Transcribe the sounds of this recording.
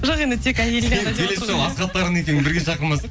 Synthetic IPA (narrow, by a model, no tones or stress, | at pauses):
ʒoqe̞nd̪ɪt̪ʰe̞kæjelɡ̪ʲelesʒɑwɑsʁɑt̪ːɑɾəne̞kʲe̞nɪnbɪɾɡʲeʃɑqəməz